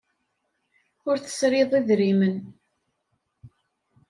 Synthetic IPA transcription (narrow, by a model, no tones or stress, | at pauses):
ʊɾθə̥sɾɪðˤiðɾimən